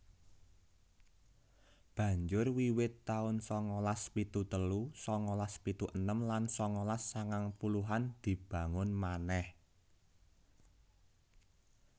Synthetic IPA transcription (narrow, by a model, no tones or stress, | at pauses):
b̥ä̤ɲd͡ʒʊrwiwɪt̪ːaʊnsɔŋɔlaspit̪ut̪əlusɔŋɔlaspit̪uʔənəmlansɔŋɔlasːaŋaŋpuluɦand̪̥i̤b̥ä̤ŋʊnmanɛh